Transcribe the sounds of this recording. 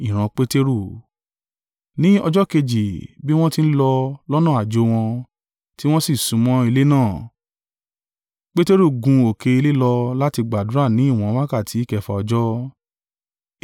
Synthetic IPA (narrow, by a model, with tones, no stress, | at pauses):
i˨ɾ̃ã˧k͡pe˦te˦ɾu˦˨ | nĩ˦ɔ˧d͡ʒɔ˦ke˧d͡ʒi˨bi˦w̃ɔ̃˦ti˦n̩˦lɔ˧lɔ˦nũ˦˨a˨d͡ʒo˨˦w̃ɔ̃˧ | ti˦w̃ɔ̃˦si˦˨sũ˨˦mɔ̃˦i˧le˦nãː˦˨ | k͡pe˦te˦ɾu˦˨ɡũ˧o˨ke˧i˧le˦lɔ˧la˦ti˧ɡ͡ba˨du˨˦ɾa˦˨nĩ˨˦i˦˨w̃ɔ̃˨˦wa˦ka˦˨ti˨˦i˦˨kɛ˧fa̰˧ɔ˧d͡ʒɔ˦